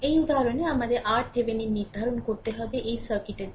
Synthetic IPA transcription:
ejud̪ʱaɾɔneamad̪eʔaɾʈ̚t̪ʰebeniniɾd̪ʱaɾɔnkoɾt̪eɦɔbeʔeisəɾkiʈe

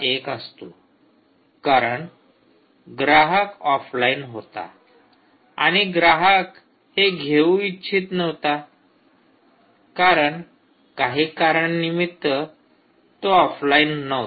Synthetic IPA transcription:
ekəst̪o | kaɾəɳ | ɡɾaɦəkɔflainɦot̪a̰ | a̰ɽ̃iɡɾaɦək | heɡʱeuitːɕʰiːt̪nəʋt̪a | kaɾəɳ | kaɦiːkaɾəɳnimit̪ːə | t̪oɔflainːə

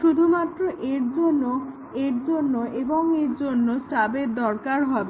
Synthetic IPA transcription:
ʃud̪ʱumat̪ːɾoʔeɾd͡ʑonːo | eɾd͡ʑonːoʔeboŋeɾd͡ʑonːosabed̪ɔɾkaɾɦɔbe

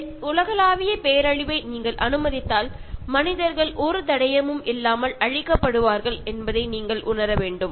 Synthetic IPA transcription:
ʊlɐɣɐlaːʋɪjɐpeːɐɾɐɻɪʋɐɪniːŋɡɐɭʔɐnɯmɐðɪt̪ːaːlmɐnɪðɐɾɣɐɭʔɔɾɯt̪ɐɽɐjɐmɯmʔɪlːaːmɐlɐɻɪkːɐpːɐɽɯʋaːɾɣɐɭɛnbɐðɐɪniːŋɡɐɭʔʊnɐɾɐʋeːɳɖɯm

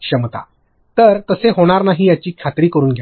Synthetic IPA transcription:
kʂəmət̪a̰ | t̪əɾt̪əseɦoɽ̃aɾnaɦiːjat͡ɕiːkʰat̪ɾiːkəɾuːnɡʱj

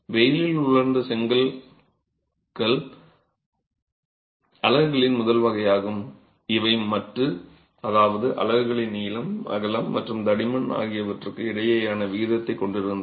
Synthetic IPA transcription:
ʋɛjɪlɪlʊɭɐɾnd̪ɐsɛŋɡɐl | ɣɐɭ | ɐlɐɣɯɣɐɭɪnmʊðɐlʋɐɣɐjaːɣɯm | ɪʋɐɪmɐʈrɯ | ɐðaːʋɐðɯʔɐ̰lɐɣɯɣɐɭɪnːiːlɐmɐ̰ɣɐlɐmːɐʈrɯmd̪ɐɽɪmɐɳa̰ːɣɪjɐʋɐʈrɯkːɯɪɽɐjɐjaːnɐʋiːðɐt̪ːɐɪkːɔɳɖɪɾɯnd̪ɐ

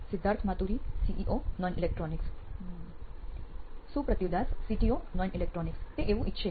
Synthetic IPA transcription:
sid̪ʱːaɾt̪ʰmat̪uɾisiʔiʔonɔnʔilek̚ʈɾɔniks | supɾət̪jud̪ʱassiʈionɔnilek̚ʈɾɔnikst̪eʔeʋũʔitːʃʰe

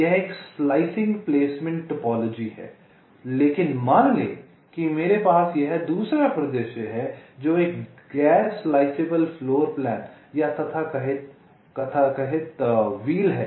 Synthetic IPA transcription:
jɛɦeːkslaːɪsɪ̃ŋɡpleːsmɪ̃ɳʈːɐpɔːloːd͡ʒiɦɛ̰ː | leːkɪnmaːnlḛː | kimeːɾepaːsjeɦɛd̪uːsɾapɾɐd̪əʃəɦɛd͡ʒoːeːk | ɡɛːɾslaːɪseːbəlfʰloːɾplɛ̃ːn | jat̪ʰɐt̪ʰakɐɦɪt̪̚ | kɐt̪ʰakɐɦɪt̪ʋiːlɦɛː

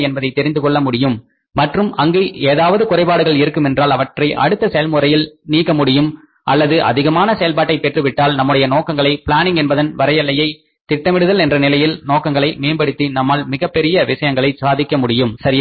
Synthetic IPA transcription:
ɛnbɐðɐɪt̪ːɛɾɪnd̪ɯkɔɭːɐmʊɽɪjɯmː | ɐʈrɯmɐŋɡeːeːðaːʋɐðɯkʊrɐɪpaːɽɯɣɐɭɪɾɯkːɯmɛndraːlɐʋɐʈrɐɪʔɐ̰ɽɯt̪ːɐsɛjɐlmʊrɐjɪlniːkːɐmʊɽɪjɯm | ʔɐlːɐðɯʔɐ̰ðɪɣɐmaːnɐsɐjɐlpaːʈːɐɪpɛʈrɯʋɪʈːaːlnɐmːɯɽɐjɐnoːkɐŋɡɐɭɐɪpɪɭaːnɪŋɡɛnbɐðɐnʋɐɾɐjɐlːɐjɐɪ | t̪ɪʈːɐmɪɽɯðɐlɛndrɐnɪlɐjɪlnoːkːɐŋɡɐɭɐɪmeːnbɐɽɯt̪ːinɐmːaɭmɪɣɐpːɛɾɪjɐʋɪʂɐjɐŋɡɐɭɐɪsaːðɪkːɐmʊɽɪjɯmsɐɾɪj

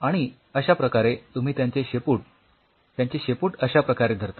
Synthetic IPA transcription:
aɽ̃i | əɕapɾəkaɾet̪um̤iːt̪jãɲt͡ɕeɕepuːʈ̚ | t̪jaɲt͡ɕeɕepuːʈəɕapɾəkaɾed̪ʱəɾt̪a

